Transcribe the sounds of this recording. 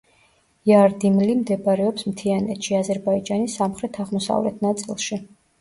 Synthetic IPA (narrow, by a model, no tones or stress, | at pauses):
jaɾd̪imlimd̪ɛbɾɛɔpsmt̪ʰianɛt̪ʃiazɛɾbaid͡ʒanisːamχɾɛt̪ʰaʁmɔsa̰vlɛ̰t̪ʰnat̪sʼilˠʃi